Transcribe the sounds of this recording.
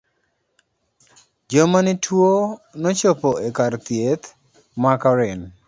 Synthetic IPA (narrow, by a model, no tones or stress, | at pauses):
d͡ʒomanɪtʰwonɔt͡ʃopoekart̪jet̪ | makɔɾɪn